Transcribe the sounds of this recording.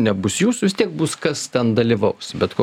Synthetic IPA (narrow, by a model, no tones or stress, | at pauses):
nʲɛbʊsjuːsʋʲɪst̪ʲiɛk̚bʊskɐst̪ʲɛnd̪ɐlʲiːʋɐʊsbʲɛt̪ko